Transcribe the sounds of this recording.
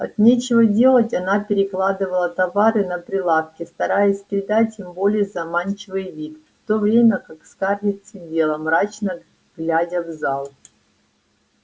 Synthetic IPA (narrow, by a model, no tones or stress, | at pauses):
ɐ̰t̪nʲet͡ɕɪvədʲe̞lˠətʲɐnapʲɪɾʲɪklˠad̪ɨvəlˠət̪ɐvaɾɨnəpɾʲɪlˠafkʲɪst̪ɐɾajɪsʲpʲɾʲɪd̪atʲɪmbo̞lʲɪjəzɐmant͡ɕɪvɨjvʲik̪ft̪o̞vɾʲemʲəkakskarvʲɪt̪sɪbʲe̞lˠəmɾat͡ɕnə | ɡlʲædʲəvzalˠ